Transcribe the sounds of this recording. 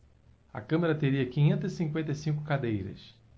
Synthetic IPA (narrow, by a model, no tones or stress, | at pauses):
ɐ̰kɐ̃meɾɐt̪eɾiɐkĩɲẽnt̪̬ɐzisĩŋkwẽnt̪ejsĩŋkʊkad̪ejɾɐ̰s